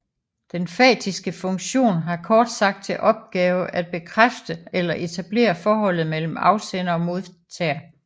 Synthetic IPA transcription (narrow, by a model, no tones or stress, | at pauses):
d̥enfɛ̰ːd̥isɡ̥əfɔ̽ŋɕo̝̰ːnɦɑ̈kʰɒːd̥sɑ̈ɡ̥̚d̥̚t͡sʰe̝lʔɒ̽b̥̚ɡ̥ɛːʊʔæd̥̚b̥e̝kʰʁafd̥əelɐʔe̝t͡sʰæb̥le̝̰ːɐfɒːɦɒ̽l̰ð̩ˠmel̰m̩ɑ̈ʊsenɐɒ̽mo̝ðˠt͡sʰɛ̰ːɐ